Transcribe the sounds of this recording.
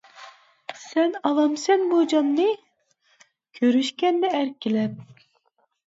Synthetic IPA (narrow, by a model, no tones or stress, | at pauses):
sɛnɑlˠɑmsɛnbud͡ʒɑnnɨ | kʲʰøɾyʃkʲɛnd̪ɛːɾkʲilɛp̚